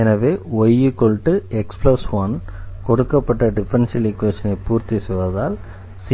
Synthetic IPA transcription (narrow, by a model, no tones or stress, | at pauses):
ɛnɐʋeːɐjːɯkːɔɭʈːɯɛksplɐsʋɐnkɔɽɯkːɐpːɐʈːɐɖɪpɾɐnsɪlikːʋɛɐnɐɪpuːɾt̪isɪʋɐðaːl | si